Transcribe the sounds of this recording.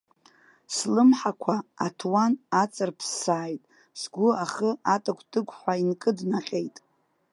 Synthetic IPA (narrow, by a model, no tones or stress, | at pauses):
slɨmħakʷʰaatʰwanat͡sʼɨrpʰsːaːjtʼ | z̥ɡʷʊaχəatʼakʷʰdɨkʷʰʼħʷainkʼɨdnaqʲʼe̞jtʼ